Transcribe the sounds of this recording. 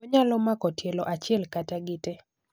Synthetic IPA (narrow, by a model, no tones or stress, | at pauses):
ɔɲalɔmakɔtjelɔʔat͡ʃɪɛlkataɡɪte